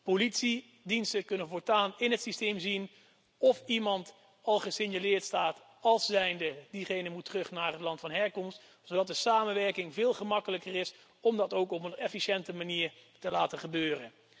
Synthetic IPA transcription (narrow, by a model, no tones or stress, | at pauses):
politsi | dinstəkɵnənvʊːɹtaːnɪnɦətsistejmzin | ɔfimɑnt | ɑlˠχəsɪɲjalɪːɹtstaːt | ɑlˠsːɛjndədiχejnənmutːrɵχnaːrɦətlɑntfɑnɦɛɹkɔmst | sodɑt̚dəsaːmənʋɛɹkɪŋvɪːlˠχəmɑkələkərɪs | ɔmdɑtowkɔpənɛfiʃɛntəmaniːɹtəlaːtəχəbøːrə̰n